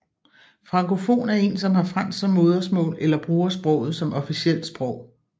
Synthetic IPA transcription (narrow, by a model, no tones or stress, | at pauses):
fʁɑ̈ŋkʰo̝fo̝̰ːnæɐe̝̰nsɒ̽mhɑ̈fʁan̰ssɒ̽mːo̝ːð̞ˠɐsmɔ̰̽ːlelɐb̥ʁuːɐsb̥ʁɔ̽ʊ̰ð̞̩ˠsɒ̽mɒ̽fisiel̰d̥sb̥ʁɔʊ̰